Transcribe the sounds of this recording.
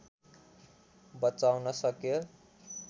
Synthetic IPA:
bʌt͡sawnʌsʌkjo

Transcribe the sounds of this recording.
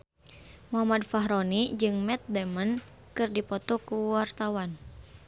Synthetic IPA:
muɦamadfaɦɾɔnid͡ʒɨŋmɛt̪̚dɛmən | kɨrdipɔt̪ɔkuwart̪awan

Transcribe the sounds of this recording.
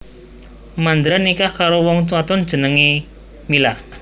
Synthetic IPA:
mand̪ɾanikahkaɾowɔŋt̪uwat̪ɔnd̥ʒ̥ə̤nəŋe | milah

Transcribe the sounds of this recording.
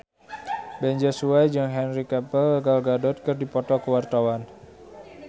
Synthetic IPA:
bɛɲd͡ʒasuajd͡ʒəŋɦɛnrikapələɡalɡadɔt̪̚kərdipɔt̪ɔkəwart̪awan

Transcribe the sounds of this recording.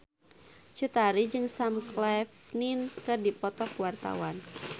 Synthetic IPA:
t͡ʃut̪aɾid͡ʒɨŋsamklɛfninkɨrdipɔt̪ɔkwart̪a̰wan

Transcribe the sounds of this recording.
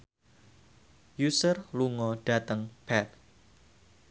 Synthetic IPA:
jusərluŋɔɖ̥at̪əŋb̥ɛt̪̚

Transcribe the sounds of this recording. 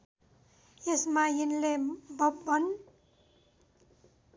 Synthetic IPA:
jesmaɦinlebʌbbʌn

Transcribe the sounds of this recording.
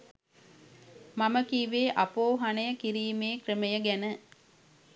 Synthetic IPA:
maməkiːʋeːʔapoːɦanəjəkiɾiːmeːkrəməjəɡænə

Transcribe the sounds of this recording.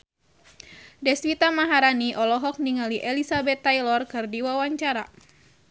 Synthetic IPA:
dɛswit̪amaɦaɾaniʔɔlɔɦɔk̚niŋaliʔelisabɛt̪ːajlɔrkɨrdiwawaɲt͡ʃaɾa̰

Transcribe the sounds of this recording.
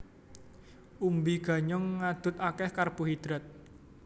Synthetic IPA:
ʔumbiɡ̥a̤ɲɔŋːad̪̥ʊ̤t̪akɛhkarb̥uɦid̪̥ɾat̪̚

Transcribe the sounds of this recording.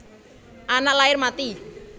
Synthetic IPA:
ʔanalaɪrmat̪i

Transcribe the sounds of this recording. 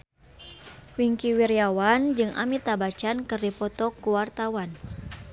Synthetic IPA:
wiŋkiwirijawand͡ʒɨŋʔa̰mit̪abat͡ʃankɨrdipɔt̪ɔkuwart̪awan

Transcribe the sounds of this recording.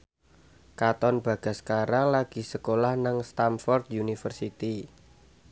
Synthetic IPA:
kat̪ɔnb̥ä̤ɡ̥a̤skaɾalaɡ̥i̤səkolahnaŋst̪amfɔrd̪unifərsit̪i

